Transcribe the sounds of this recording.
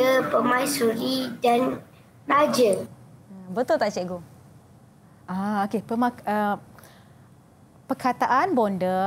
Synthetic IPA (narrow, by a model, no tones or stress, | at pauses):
əpəmãjsuɾidan | lad͡ʒə | bət̪ʊlt̪aʔt͡ʃɛʔɡo | aokepəmaə | pərkʰat̪aʔanbɔndə